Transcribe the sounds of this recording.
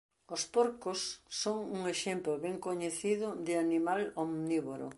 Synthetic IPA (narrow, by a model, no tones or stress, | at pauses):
ospoɾkosːoŋuŋeʃemplʊβɛŋkoɲeθiðʊðɪanimalomniβoɾʊ̰